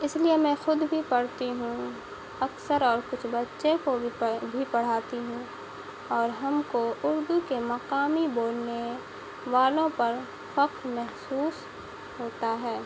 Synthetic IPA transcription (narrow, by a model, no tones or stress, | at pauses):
ɪsliemɛ̃ːxʊd̪bʱipɐɽt̪iɦũ | ɐksəɾɔːɾkʊt͡ʃʰbɐtːʃekobʱipɐɽ̤aːt̪iɦũ | ɔːɾɦɐmkoʊɾd̪ukemɐqaːmiboːlne | ʋaːlõpɐɾ | fɐqɾmɛɦsuːs | ɦoːt̪aɦɛː